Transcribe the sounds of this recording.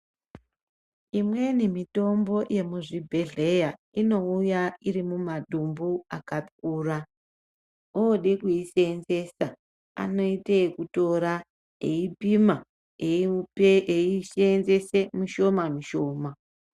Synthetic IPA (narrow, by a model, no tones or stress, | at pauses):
imwe̞nimito̞mbo̞jʔe̞muʐibʱeɮe̞ja | ino̞ujairimumadʱumbuakatkuːra | oɗekuiseːnze̞sa | a̰no̞itekuto̞ɾa | eipima | e | eiʃnze̞se̞muʃo̞mamiʃo̞ːma